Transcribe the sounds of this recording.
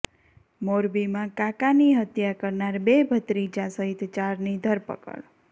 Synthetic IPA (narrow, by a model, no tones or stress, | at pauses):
moɾbimãkakaniɦət̪jakəɾnaɾbebʱət̪ɾid͡ʒãsəɦit̪t͡ʃaɾnid̪ʱəɾpə̰kə̰ɽ